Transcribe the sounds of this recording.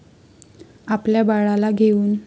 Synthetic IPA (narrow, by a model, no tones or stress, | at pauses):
apljabaɭalaɡʱeuːn